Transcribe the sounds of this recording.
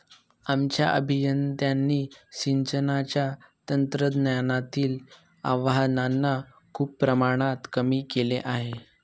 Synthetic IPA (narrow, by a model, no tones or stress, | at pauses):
amt͡ɕja̰ʔə̰bʱijənd̪janːiːɕiɲt͡ɕənat͡ɕjat̪ənt̪ɾəd̪njanat̪iːl | a̰ʋananːa | kʰuːpːɾəmaɽ̃at̪kəmiːkeleʔaɦe